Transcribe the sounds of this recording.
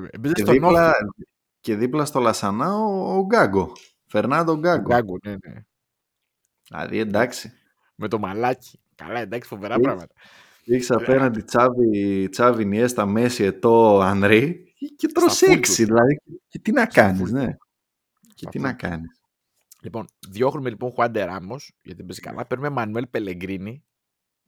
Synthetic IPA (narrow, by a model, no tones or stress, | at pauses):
bezeeðsinolɐ | ce̞ðiplɐst̪o̞lɐsɐnɐoːɡɐɡo̞ | feɾnɐd̪oɡɐɡoɡonene | lɐ̰ðḭe̞nd̪ɐksi̥ | met̪o̞mɐlɐci̥ | kɐ̰lɐend̪ɐksi̥foveɾɐɾɐɣmɐt̪ɐ | iksɐpenɐnd̪it͡sɐvit͡sɐviniest̪ɐme̞siet̪o̞ɐnd̪ɾi | cep̪ɾoseksiðilɐðicet̪inɐkɐnizne | cet̪inɐkɐnis | lipo̞nðʝo̞xɾumelipo̞ŋxwɐnd̪e̞ɾɐmo̞sʝɐt̪ibezi̥kɐ̰lʔɐ̰peɾnumemɐnue̞lpe̞le̞ŋɡɾini